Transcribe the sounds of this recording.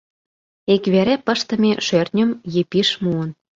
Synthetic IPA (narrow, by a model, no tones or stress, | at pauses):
ekβeɾæpə̆ʃt̪ə̆mʲeʃørnʲə̆mjepiʃmuən